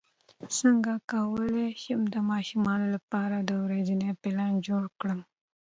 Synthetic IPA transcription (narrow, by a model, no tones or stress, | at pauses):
səŋɡakawəleʃəmd̪əmɑʃumɑnolapɑɾad̪əwɾed͡ʒinepɪlɑnd͡ʒoɽkɽəm